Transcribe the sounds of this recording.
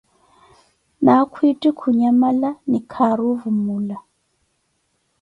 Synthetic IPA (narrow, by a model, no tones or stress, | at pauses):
nakʰwitʼikʰuɲamalanikʰaɾuvumula